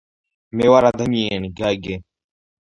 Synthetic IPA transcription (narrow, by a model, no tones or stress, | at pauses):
meːwaːɾaːd̪ʱəmieːniɡaːjɡeː